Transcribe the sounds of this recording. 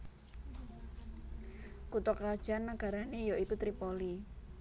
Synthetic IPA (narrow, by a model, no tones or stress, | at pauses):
kut̪ɔkrad̥ʒ̥anːaɡ̥a̤ɾanejoik̪ut̪ɾipoli